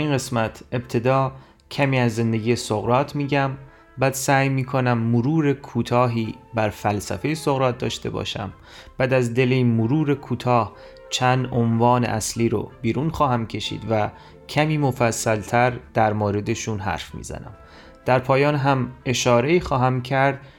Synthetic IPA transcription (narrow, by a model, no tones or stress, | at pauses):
iːnɢe̞smæt̪ʰe̞bt̪ʰe̞d̪ɒː | cʰæmiːæzːe̞nd̪e̞ɡiːjesoɣɾɒːt̪ʰmiːɟæm | bæːd̪̥sæːjmiːkʰo̞næmːoɾuːɾe̞kʰuːt̪ʰɒːɦiːbæɾfælsæ̰fe̞jesoɣɾɒːt̪̚d̪ɒ̰ːʃt̪e̞̰bɒ̰ːʃæ̰m | b̥æːd̪æzd̪e̞lemoɾuːɾe̞kʰuːt̪ʰɒːh | t͡ʃʰænd̪ʔonvɒːnḛʔæsliːɾo̰biːɾuːnxɒːɦæmcʰe̞ʃḭːd̪væ | cʰæmiːmofæsːælt̪ʰæɾd̪̥æɾmoːɾe̞d̪e̞ʃunɦæ̰ɾfmḭːzæ̰næ̰m | d̪̥æɾpʰɒːjɒːnɦæme̞ʃɒːɾe̞iːxɒːɦæmcʰæɾd̪̥̚